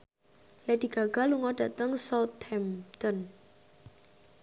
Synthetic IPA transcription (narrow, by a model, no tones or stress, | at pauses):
lɛd̪̥i̤ɡ̥a̤ɡ̥a̤luŋɔɖ̥a̤t̪əŋsat̪hɛmt̪ɔn